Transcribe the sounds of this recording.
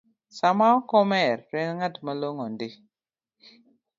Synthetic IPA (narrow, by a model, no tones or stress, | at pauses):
samakomeɾɾeŋŋatmaloŋondi